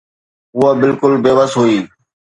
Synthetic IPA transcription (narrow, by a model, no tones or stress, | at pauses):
ʊabɪlkʊlbeːʋəsɦuiː